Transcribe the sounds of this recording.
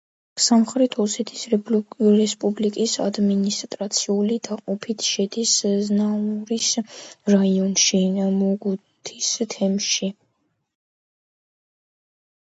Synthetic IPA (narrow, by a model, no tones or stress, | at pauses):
samχɾɛt̪ʰɔsɛt̪ʰi̥s | ɾɛspʼublikʼisa̰d̪minist̪ʼɾat̪sʰiulid̪aqʼɔpʰit̪ʰʃɛd̪isznauɾisɾaiɔnʃimɔɡu | t̪ʰist̪ʰɛmʃi